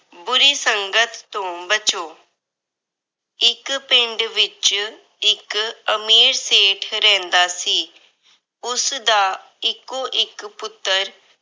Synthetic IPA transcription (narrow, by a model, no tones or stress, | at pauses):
bʊɾiːsəŋɡət̪ːõːbət͡ʃoː | ɪkpɪ̃ɳɖʋɪt͡ʃ | ɪkəmiːɾseːʈʰɾɛ̃ːnd̪aːsiː | ʊsd̪aː | ɪkːoːʔɪkpʊt̪ːəɾ